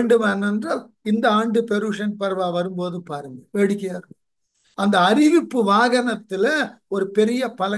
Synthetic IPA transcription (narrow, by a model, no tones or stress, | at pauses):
ɳɖɯmɐːnɛndraːl | ɪnd̪ɐaːɳɖɯpɛɾuːʂɐnpɐɾʋaːʋɐɾɯmpoːðɯpaːɾɯŋɡɐʋeːɽɪkːɪjaːɾɯ | ɐnd̪ɐːɾɪʋɪpːɯʋaːɣɐnɐt̪ːɪlɐ | ɔɾɯpɛɾɪjɐpɐlɐ